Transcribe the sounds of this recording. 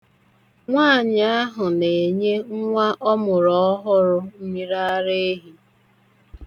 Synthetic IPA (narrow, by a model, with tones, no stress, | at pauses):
ŋʷaː˦˨ɲa˦a˦ɦʊ˨ne˨ɲe˦ŋʷa˦ʔɔ˦mʊ˨ɾɔ˨ɔ˦ɦʊ˦ɾʊ˦mi˦ɾa˦ɾe˦e˦ɦi˨